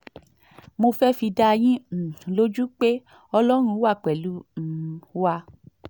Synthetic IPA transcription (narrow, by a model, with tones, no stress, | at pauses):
mo˧fɛ˦fi˧da˧j̃ĩ˦˨lo˦d͡ʒu˦k͡pe˦ | ɔ˧lɔ˦ɾ̃ũ˧˦wa˦˨k͡pɛ˨lu˨˦˨wa˧